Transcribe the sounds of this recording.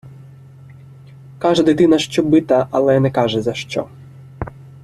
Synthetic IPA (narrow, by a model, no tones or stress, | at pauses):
kɑʒɛd̪ɪt̪ɪnɐʃt͡ʃɔbɪt̪ɐʔɐlˠɛnɛkɑʒɛzɐʃt͡ʃɔ̰